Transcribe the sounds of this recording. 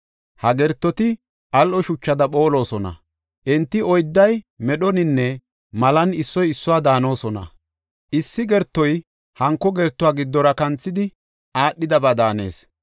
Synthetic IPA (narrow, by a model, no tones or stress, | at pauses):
hɐɡɛɾt̪ːɔt̪ɪ | ʔɐlʔɔʃʊt͡ʃːɐd̪ɐpo̞ːlo̞ːsɔnɐ̰ | ʔɪnt̪ːɪɔjd̪ːɐjmɛɗɔnɪnːɛ | mɐlɐnɪsːɔjɪsːʊwaːd̪aːno̞ːsɔnɐ̰ | ʔɪsːɪɡɛɾt̪ːɔj | hɐŋkːɔɡɛɾt̪ːʊaːɡɪd̪ːɔɾɐkɐnt͡sːɪd̪ɪ | ʔaːɗːɪd̪ɐbad̪aːne̞̰ːs